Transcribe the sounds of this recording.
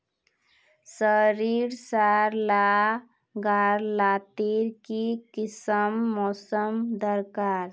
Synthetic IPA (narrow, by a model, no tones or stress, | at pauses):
səɾiɾsaɾla | ɡaɾlat̪iɾkikisəmːɔːsəmd̪əɾkaɾ